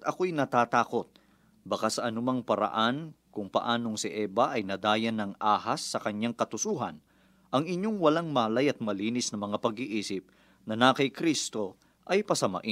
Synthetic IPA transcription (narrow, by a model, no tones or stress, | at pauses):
t̪ɐkojnɐt̪aːt̪aːko̞t̪̚ | bɐkasɐʔɐnʊmaŋpɐɾɐ̰ʔankʊŋpɐ̰ʔaːno̞ŋsɪʔɛːbɐʔɐjnɐd̪aːjɐnɐŋaːhasːɐkɐɲːaŋkɐt̪ʊsuːɦɐ̰n | ʔɐŋɪɲo̞ŋwɐlaŋmaːlɐjɐt̪̚mɐliːnɪsnɐmɐŋapɐɡɪʔiːsɪp̚ | nɐnakɐjkɾist̪o̞ | ʔɐjpɐsɐmɐ̰ʔɪn